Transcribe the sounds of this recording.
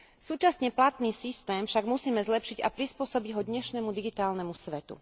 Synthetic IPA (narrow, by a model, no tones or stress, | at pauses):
suːt͡ʃasɲɛplat̪niːsist̪ɛːmfʃaɡmusiːmɛzlɛpʃiɟa̰pɾispʊɔsɔbiɟɦɔd̪ɲɛʃnɛmud̪iɡit̪aːlnɛmusʋɛt̪ṵ